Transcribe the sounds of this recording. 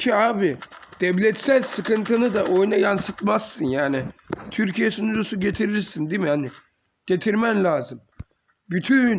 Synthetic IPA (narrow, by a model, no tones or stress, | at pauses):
cʰiaːbid̪̥ɛvlʲɛt̪sælʲsɯkʰɯnt̪ʰɯnɯd̪aʔo̞jnajansɯt̪mazsɯnjaːnit̪ʰyɾcijesunud͡ʒusuɟe̞t̪ʰiɾiisind̪imihani | ɟ̥e̞t̪ʰiɾmæmlʲaːzɯm | byt̪ʰyn